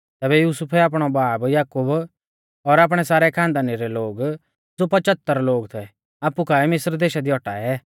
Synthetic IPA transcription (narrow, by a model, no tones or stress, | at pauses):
t̪ɛːbɛjuːsʊpʰɛaːp̬ɽ̃ɔbaːbjaːkʊb | ɔɾaːp̬ɽ̃ɛsaːɾɛkʰãːnd̪aːniɾɛloːɡ | d͡zopɐt͡ʃət̪ːəɾloːɡt̪ʰɛ | aːpːukʰaɛmɪsɾd̪eːʃad̪iɔʈa̰ːɛ